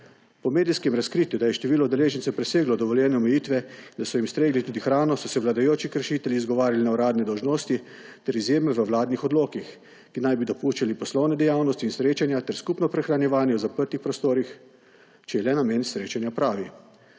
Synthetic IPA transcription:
pɔmeːd̪iskɛmɾaskɾit̪jud̪ajɛʃt̪ɛʋiːlɔd̪ɛleːʒɛnt̪sɛpɾɛseːɡlɔd̪ɔʋɔljɛːnɛɔmɛjiːt̪ʋɛind̪asɔjimst̪ɾeːɡlit̪uːd̪ixɾaːnɔsɔsɛʋlad̪ajoːt͡ʃikəɾʃiːt̪ɛljiːzɡɔʋaːɾjalinaɔɾaːd̪nɛd̪ɔwʒnoːst̪it̪ɛɾizjeːmɛʋəwlaːd̪nixɔd̪loːkix | kinajbid̪ɔpuːʃt͡ʃalipɔslɔwnɛd̪ɛjaːwnɔst̪iːnsɾeːt͡ʃanjat̪ɛɾskupnɔpɾɛxɾanjɛʋaːnjɛwzapəɾt̪ixpɾɔst̪oːɾix | t͡ʃɛjɛlɛnamensɾeːt͡ʃanjapɾaːʋi

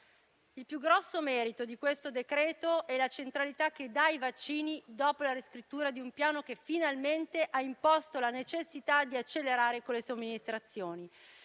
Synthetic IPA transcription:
ilpjuɡɾɔsːomɛːɾit̪od̪ikwest̪od̪ekɾɛːt̪oʔɛlat͡ʃent̪ɾalit̪ak̟ːed̪aivat͡ʃːiːnid̪ɔːpolaɾeskɾit̪ːuːɾad̪iumpjaːnok̟efinalment̪eʔaimpɔst̪olanet͡ʃesːit̪ad̪iat͡ʃːelːeɾaːɾekolːesomːinist̪ɾat̪sːjoːni

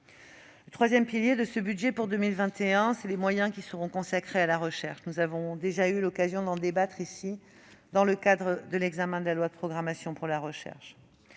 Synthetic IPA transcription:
lət̪χwazjɛmpiljed̪əsəbyd̪ʒepuʁd̪ømilvɛ̃t̪eɛ̃sɛlemwajɛ̃kʲisəʁɔ̃kɔ̃sakχealaʁəʃɛʁʃnuzavɔ̃d̪eʒaylɔkazjɔ̃d̪ɑ̃d̪ebat̪χisi | d̪ɑ̃ləkad̪ʁəd̪əlɛɡzamɛ̃d̪əlalwad̪əpχɔɡʁamasjɔ̃puʁlaʁəʃɛ̰ʁʃ

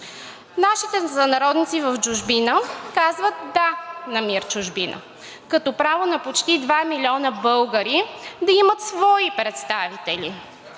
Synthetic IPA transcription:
naʃit̪ɛzɐnɐɾɔd̪nit̪sivəvd͡ʒʊʒbinəkazvət̪̚d̪anɐmiɾt͡ʃʊʒbinə̰ | kɐt̪ɔpɾavonɐpot͡ʃt̪id̪vamilʲiɔnəbɤlˠɡəɾid̪ɐimət̪svɔipɾɛt̪st̪avit̪ɛli

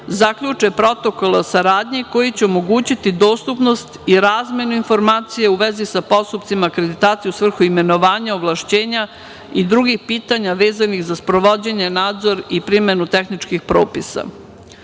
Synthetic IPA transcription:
zakʎut͡ʂepɾo̞t̪o̞ko̞lesaɾaːd̪ɲiko̞jit͡ɕeomo̞ɡuːt͡ɕit̪id̪o̞ːst̪upno̞st̪iɾaːzme̞nuinfo̞ɾmaːt̪sijeuʋezisapo̞st̪upt̪simaːkɾe̞d̪it̪aːt̪sijusʋr̩xuime̞no̞ʋaːɲaoʋlˠaʃt͡ɕe̞ːɲa | id̪ɾuɡixpiːt̪aɲaʋe̞ːzanixzaspɾo̞ʋo̞d͡ʑe̞ɲe̞naːd̪zo̞ɾipɾime̞nut̪exnit͡ʂkixpɾo̞̰ːpisa̰

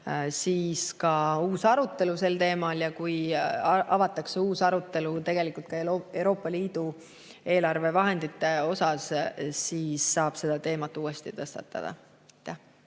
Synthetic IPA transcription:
siːskɑuːsɑɾut̪ːe̞luse̞lt̪e̞ːmɑljɑkujʔɑvɑt̪ːˑɑkseuːsɑɾut̪ːˑe̞lut̪e̞ɡ̥e̞likˑult̪̚kɑee̞wɾo̞ːpːˑɑliːd̪̥u | e̞ːlɑrve̞vɑɦe̞nd̪̥it̪ːˑe̞o̞sɑssiːsːɑːb̥se̞d̪̥ɑt̪e̞ːmɑt̪ːˑuːest̪it̪ɤst̪ɑt̪ːɑ̰d̪̥ɑ̰ | ɑjt̪ːæh

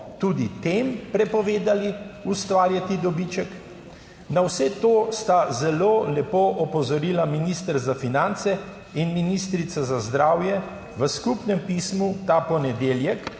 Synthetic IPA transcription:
t̪uːd̪it̪empɾɛpɔʋeːd̪aliust̪ʋaːɾjat̪id̪ɔbit͡ʃək | nawsɛt̪oːst̪azɛloːlɛpoːʔɔpɔzɔɾiːlaminist̪əɾzafinant̪sɛ | inminist̪ɾit̪sazazd̪ɾaːwjɛ | ʋəskupnɛmpiːsmut̪aːpɔnɛd̪eːljɛk

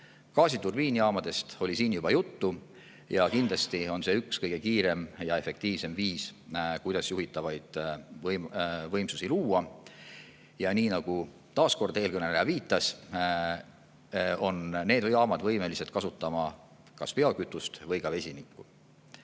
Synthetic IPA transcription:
kɑːsit̪urb̥iːniɑːmɑd̪̥e̞st̪o̞lʲisiːnjub̥ɑjut̪ːu | jɑkind̪lɑst̪io̞nse̞ykskɤjɡ̥ekiːɾe̞mjɑe̞fe̞k̚t̪iːvse̞mviːskujd̪̥ɑsjuɦit̪ːˑɑvɑjd̪̥vmvɤjmsusiluːɑ | jɑniːnɑɡ̥u | t̪ɑːsko̞rd̪̥e̞ːlkɤneleɑviːt̪ːˑɑs | o̞nne̞ːd̪vjɑːmɑd̪̥vɤ̞jme̞liset̪kɑsut̪ːˑɑmɑ | kɑspe̞ɑkyt̪ːˑust̪vɤjkɑve̞sʲinikːu

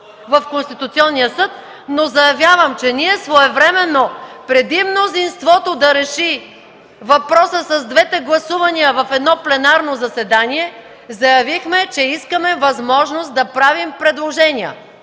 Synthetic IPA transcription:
vɐfkonst̪it̪ut̪siɔnːiəsɤt̪̚ | nozɐjɐvʲjavəmt͡ʃɛniɛsvɔɛvɾɛmɛnopɾɛd̪imnozinst̪vɔt̪od̪ɐɾɛʃi | vɐpɾɔsəsɐzd̪vɛt̪ɛɡlˠɐsuvɐniəvɐfɛd̪nɔplɛnaɾnozɐsɛd̪aniɛ | zɐjɐvixmɛt͡ʃɛiskəmɛvɐzmɔʒnost̪̚d̪ɐpɾavimpɾɛd̪lˠoʒɛniə̰

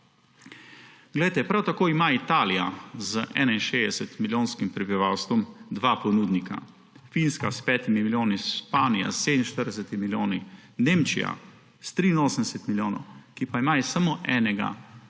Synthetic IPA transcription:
ɡ̥lɛjt̪ɛpɾawt̪akoːimait̪aːlijazəʔɛ̰ːnainʃeːd̪ɛsɛt̪miljoːnskimpɾɛbiʋawst̪ʋɔmd̪ʋapɔnud̪nika̰ | finskaspɛːt̪imimiljoːnisʃpaːnija̰sed̪ninʃt̪əɾd̪ɛsɛt̪imiljoːnineːmt͡ʃḭja̰ | st̪ɾiːnoːsənd̪ɛsɛt̪miljoːnɔ̰wkipaimajɛsamoʔɛːnɛɡa̰

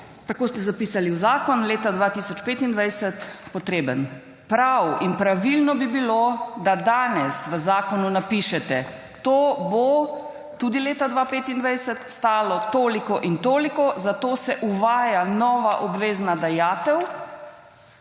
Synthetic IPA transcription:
t̪akoːst̪ɛzapiːsaliuwzaːkɔnleːt̪ad̪ʋat̪isɔt͡ʃpeːt̪ind̪ʋajsət̪pɔt̪ɾeːbən | pɾawinpɾaʋilnɔbibilod̪ad̪aːnɛsʋəzaːkɔnunapiʃɛt̪ɛ | t̪oːbo | t̪uːd̪ileːt̪ad̪ʋaːpeːt̪ind̪ʋajsət̪st̪aːlɔt̪oːlikɔʔint̪oːlikɔzat̪oːsɛʔuʋaːjanɔːʋaʔɔbʋeːznad̪ajaːt̪ɛw

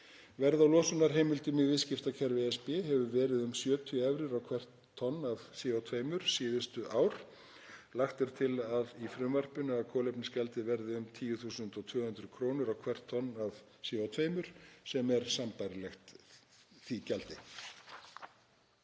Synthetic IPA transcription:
vɛɾðawlɔːsʏnaɾ̥ɦeːjmɪlt̪ʏmɪvɪðscɪft̪acʰɛɾvɪɛspɪɦɛvʏvɛːɾɪðʏmsjœːt̪ʰʏɛvɾɪɾawkʰvɛr̥t̪ʰːɔnːavsiːowt̪ʰveːjmʏɾ̥siːðʏst̪ʏʔaːwɾ̥ | laxt̪ɛɾ̥t̪ʰɪlaðifɾʏmvɛr̥pʏnʏakʰɔːlejpnɪscɛlt̪ɪvɛɾðɪʏmt̪ʰiːjʏθuːsʏnt̪ɔt̪ʰv̥ʏːhʏnd̪ɾʏkʰɾoːwnʏɾawkʰvɛr̥t̪ʰːɔnːav | siːot̪ʰveːjmʏɾ̥sɛmɛɾ̥sampajɾɪlɛxt̪ | θicɛlt̪ɪ

